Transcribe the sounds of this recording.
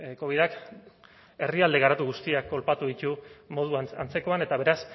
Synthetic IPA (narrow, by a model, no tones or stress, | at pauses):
ko̞β̞iðak | e̞riald̪e̞ɣaɾat̪uɣust̪iakːo̞lpat̪uðit̪umo̞ð̞uaant͡se̞ko̞ane̞t̪aβ̞e̞ɾas